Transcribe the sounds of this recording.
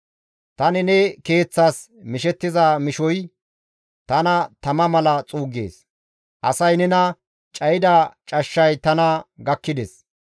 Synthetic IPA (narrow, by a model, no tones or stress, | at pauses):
t̪ɐnɪnɛke̞ːt͡sːaːs | mɪʃɛt̪ːɪzaːmɪʃɔj | t̪ɐnɐt̪ɐmɐmɐlɐt͡sʼuːɡḛːs | ʔɐsɐjnɛnɐ | t͡ʃʼɐjɪd̪at͡ʃʼɐʃːɐjt̪ɐnɐɡɐkːɪd̪ɛs